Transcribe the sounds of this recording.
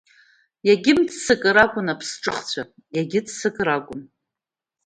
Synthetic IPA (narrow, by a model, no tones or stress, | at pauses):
jaɡʲɪmdsɨkʼɨɾakʷʼʊnapʰsʈ͡ʂʼɨχt͡ɕʷʰa | jaɡʲɪdsɨkʼrakʷʼʊn